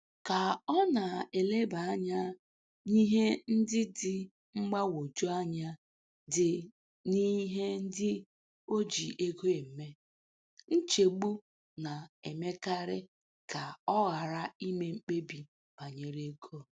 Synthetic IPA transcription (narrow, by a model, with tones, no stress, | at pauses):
ka˨ɔ˦na˨e˨le˦ba˨a˦ɲa˦ | ni˦ɦe˦n̩˦dɪ˦dɪ˨ | ŋ͡m̩˦ɡ͡ba˦wo˨d͡ʒo˦a˦ɲa˦ | dɪ˨ | ni˦ɦe˦n̩˦dɪ˦ | o˦d͡ʒi˨ʔe˦ɡo˦e˨m̩˨me˦ | n̩˦t͡ʃe˨ɡ͡bu˦ | na˨e˨me˦ka˦ɾɪ˦ | ka˨ɔ˦ɣa˨ɾa˦i˦me˦ŋ͡m̩˦k͡pe˦bi˨ | ba˨ɲe˨ɾe˦ɡʰo˦˨